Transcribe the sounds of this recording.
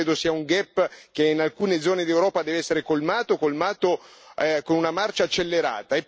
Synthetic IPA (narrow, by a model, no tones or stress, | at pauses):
eːd̪osiːauŋɡɛpːk̟einalkuːned̪zːɔːned̪iewɾɔːpad̪ɛːveɛsːeɾekolmaːt̪okolmaːt̪oɛkonunamart͡ʃat͡ʃːelːeɾa̰ːt̪aep